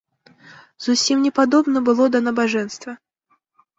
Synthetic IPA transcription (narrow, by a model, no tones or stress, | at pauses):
zusʲimnʲɛpad̪ɔbnɐbɨlˠɔd̪ɐnɐbaʐɛnst̪vɐ